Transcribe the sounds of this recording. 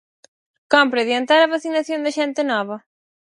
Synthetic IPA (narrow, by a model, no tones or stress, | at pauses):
kɔmpɾeðjant̪aɾɐβaθinaθjõnd̪ɐʃɛnt̪ɪnɔβɐ